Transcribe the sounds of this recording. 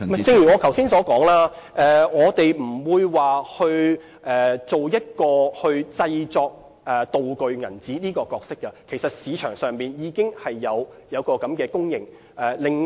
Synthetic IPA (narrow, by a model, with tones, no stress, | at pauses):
mɐ˨˩jt͡sɪ˧ŋjyː˨˩ŋɔː˨˧kʰɐ˨˩wsiː˥nsɔː˨˥kɔː˨˥ŋlaː˥ʔɛː˨˩ŋɔː˨˧t̪e˨jm̩˨˩wuː˨˧jwaː˨hɵ˧ɥ | ʔɛː˨t͡so˨wjɐ˥t̚kɔː˧hɵ˧ɥt͡sɐ˧jt͡sɔː˧k̚ | ʔɛ˨t̪o˨wkɵ˨ɥŋɐ̰˨˩nt͡siː˨˥niː˥kɔː˧kɔː˧k̚sɪ˥kːɐ˧kʰe˨˩jsɐ˨t̚siː˨˧t͡ʃʰœː˨˩ŋsœː˨ŋmiː˨njiː˨˧˥kɪ˥ŋhɐ˨jːɐ˨˧w | jɐ˨˧wkɔː˧kɐ˨˥mkɛː˧kʊ˥ŋjɪ˨˩ŋ | ʔɛː˨lɪ˨ŋ